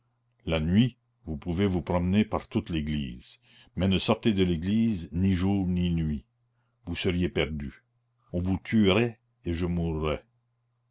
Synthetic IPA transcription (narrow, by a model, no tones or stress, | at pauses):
lanɥi | vupuvevupɾɔmnepaʁt̪ut̪leɡlḭːz̥ | mɛnəsɔʁt̪ed̪əleɡliːzniʒuːʁninɥi | vusəʁjepɛʁd̪y | ɔ̃vut̪ʰyʁɛ | eʒəmurːɛ